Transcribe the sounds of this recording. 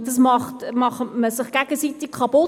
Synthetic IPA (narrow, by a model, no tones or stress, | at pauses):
d̥ɑsmɑχtmɑχətməsɪχɡ̥æɡ̥əsitɪkkkʰɑpo